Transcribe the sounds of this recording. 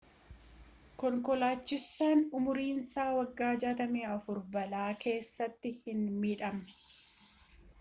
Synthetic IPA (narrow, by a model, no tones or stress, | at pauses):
kɔŋkɔlaːt͡ʃːɪsːaːnʊmʊɾiːnsaːwɐɡːaːd͡ʒaːt̪ɐmeːɐfʊɾbɐlaːkʰe̞ːsːɐt̪ːɪhɪnmiːᶑɐmɛ̥